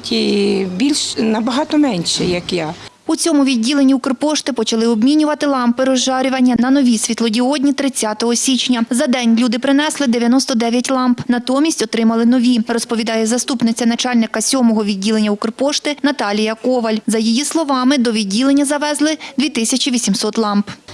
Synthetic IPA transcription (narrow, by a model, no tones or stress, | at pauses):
tʲʰibʲilʲʃnɐbɐɦɑt̪ɔmɛnʲʃɛjɐkja | ut͡sʲɔmʊʋʲidʲːilˠenʲiukrpɔʃt̪ɪpɔt͡ʃɐlˠɪɔbmʲinʲʊʋɐt̪ɪlˠɑmpɪɾɔʒʒɑɾʲʊʋɐnʲːɐnɐnɔʋʲisʲʋʲit̪lˠɔdʲiɔdʲnʲit̪ɾɪt͡sʲːɑt̪ɔɦɔsʲit͡ʃnʲɐzɐd̪ɛnʲlʲud̪ɪpɾɪnɛslˠɪd̪eʋjɐnɔst̪ɔd̪ɛʋʲjɐtʲlˠɑmpnɐt̪ɔmʲisʲtʲɔt̪ɾɪmɐlˠɪnɔʋʲirɔspɔʋʲid̪ɑjɛzɐst̪upnɪt͡sʲɐnɐt͡ʃɑlʲnɪkɐsʲɔmɔɦɔʋʲidʲːilˠenʲːɐukrpɔʃt̪ɪnɐt̪ɑlʲijɐkɔʋɐlʲzɐjijislˠɔʋɑmɪd̪ɔʋʲidʲːilˠenʲːɐzɐʋɛzlˠɪd̪ʋʲit̪ɪsʲɐt͡ʃʲiʋʲisʲimsɔt̪lˠɑmp